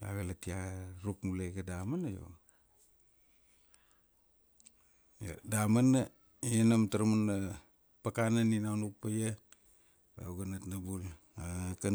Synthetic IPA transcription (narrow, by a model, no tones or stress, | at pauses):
a̰βelatiaɾupmuleɡadamanajo̰ | ja̰damana | enamtaɾmanːa | pakananinawnuk̚paja | ba̰uɡanatnabul | aka